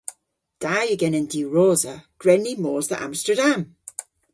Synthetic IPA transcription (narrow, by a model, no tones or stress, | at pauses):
d̥ajəɡɛnɛ̃ndiːɹoːzəɡ̥ɹɛnimɔːzðə̰ʔã̰mstədãm